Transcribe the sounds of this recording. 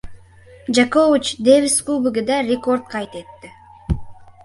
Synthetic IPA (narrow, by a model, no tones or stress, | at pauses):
d͡ʒakovɪt͡ʃd̪evʲiskubɪɡɪd̪ɑɾʲeko̞rt̪̚qʰɑjt̪et̪ːɪ